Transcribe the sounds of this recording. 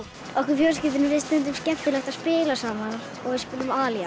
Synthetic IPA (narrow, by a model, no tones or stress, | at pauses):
ɔhkvɪɾfjɔːls̬cɪt̪̬ɪnɪɾɪst̪ɛnt̪ʏmscɛft̪ɪlɛxt̪aðspɪːlasaːmaɾ | ɔɣɛspɪlʏmaːlja